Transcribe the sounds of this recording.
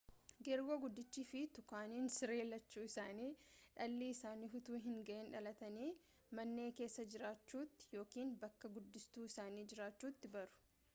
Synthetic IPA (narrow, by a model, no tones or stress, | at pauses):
ɡɛɾɡoːɡʊd̪ːɪt͡ʃːiːfɪt̪ʊkaːniːnsɪɾe̞ːlːɐt͡ʃːuːɪsaːniːᶑɐlːiːɪsaːniːɦʊt̪uːɦɪŋɡɐʔeːnᶑɐlɐt̪ɐniː | mɐnːe̞ːke̞ːsːɐd͡ʒɪɾaːt͡ʃːuːt̪ːɪ̥jo̞ːkiːnbɐkːɐɡʊd̪ːɪst̪uːɪsaːniːd͡ʒɪɾaːt͡ʃːuːt̪ːɪbɐɾʊ̥